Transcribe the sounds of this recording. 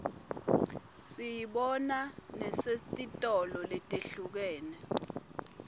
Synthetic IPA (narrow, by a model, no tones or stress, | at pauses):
sijiɓɔnanɛsetʼitʼɔlɔletʼeɬuk̬ɛːnɛ